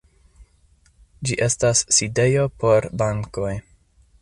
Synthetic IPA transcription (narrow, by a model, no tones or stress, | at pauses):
d͡ʒiʔe̞stasːide̞jo̞po̞ɾbaŋko̞j